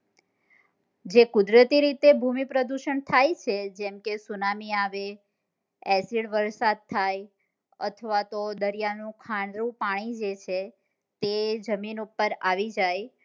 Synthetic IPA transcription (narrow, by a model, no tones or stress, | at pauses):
d͡ʒekʊd̪ɾət̪iɾit̪ebʱumipɾəd̪uʃəɳt̪ʰajt͡ʃʰed͡ʒɛmkesunamiaʋe | ɛsiɽʋəɾsad̪̚t̪ʰːaj | ə̰t̪ʰəʋat̪od̪əɾijanũkʰaɳɾũpaɽ̃id͡ʒet͡ʃʰe | t̪ed͡ʒəminupːəɾaʋid͡ʒaj